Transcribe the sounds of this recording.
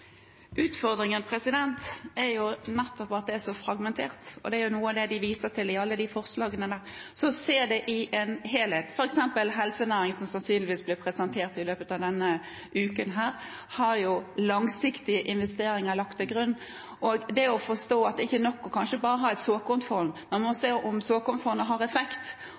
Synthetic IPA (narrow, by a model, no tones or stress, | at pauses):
ʔʉːt̪fɔɾd̪ɾɪŋənpʰɾɛsɪd̪ɛnt̪ɛɾjʊnɛt̪ːɔpɑt̪̚d̪ɛæɾsɔfɾɑɡmɛnt̪ʰeːɾt̪ɔ̰d̪ɛæɾjʊnuːəɑd̪ɛd̪ɪʋiːsəʈ̪ʰɪlɪɑlːəd̪ɪfɔɾslɑːɡənəd̪æːɾsɔseːd̪ɛʔɪʔɛnɦeːlheːt̪fɔɾɛksɛmpəlɦɛlsənæːɾɪŋsɔmsɑnsyːnlɪʋiːsblɪpʰɾɛsɛnt̪ʰeːʁt̪ɪløːpət̪ɑːʋd̪ɛnːə | ʔʉːkənɦæːɾ | hɑɾjʊlɑŋsɪkt̪ɪəʔɪnʋɛst̪eːɾɪŋəlɑkt̪ɛɡɾʉnː | ʔɔɡd̪ɛɔfɔʂt̪oːɑt̪ɪçːənɔkːɔkʰɑnʃəbɑːɾəɦɑɾɛt̪soːkʊmt̪fɔɾmmɛnmɔseːɔmsoːkʊmt̪fɔɾməɦɑɾɛfɛkt̪